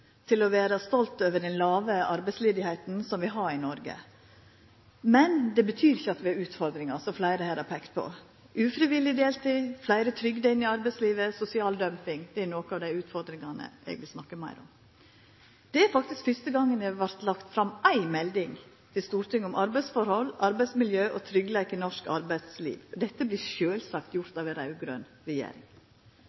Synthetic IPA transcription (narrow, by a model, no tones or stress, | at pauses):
t̪ʰɪlɔʋeːɾɑst̪ɔlt̪øːʋəɖɛnlɑːʋəʔɑɾbæɪsleːd̪ɪhæɪt̪n̩sɔmʋɪɦɑɾɪnɔɾɡə̰ | mɛnd̪ɛbət̪ʰyːɾɪçːəɑt̪ʋɪɑɾʉːt̪fɔɾd̪ɾɪŋɑsɔflæɪɾəhæːɾɑpʰɛkt̪̚pʰɔ̰ | ʔʉːfɾɪʋɪlːɪd̪eːlt̪ɪflæɪɾət̪ʰɾʏɡd̪əɪnːɪɑɾbæɪsliːʋəsʊsɪɑːld̪œmpɪŋd̪̥ɛænoːkəɑʋd̪æɪʉːt̪fɔɾd̪ɾɪŋɑnə̰ʔɛ̰ɡʋɪlsnɑkːəmæ̰ɪɾɔ̰m | d̪̥ɛæɾfɑk̚t̪ɪskfʏst̪əɡɑŋːənəʋæɾt̪lɑkt̪fɾɑmæɪmɛld̪ɪŋ | t̪ʰɪlst̪uːɾʈ̪ɪŋːʊmʔɑɾbæɪsfɔɾhɔlʔɑɾbæɪsmɪljøːʔɔt̪ʰɾʏɡlekɪnɔʂkɑ̰ɾbæɪt̪slḭːʋd̪ɛt̪ːəbliʃøːlsɑkt̪jʊɾt̪ɑːʋɛnɾɑʉɡɾø̰ːn | ɾɛjḛːɾɪ̰ŋ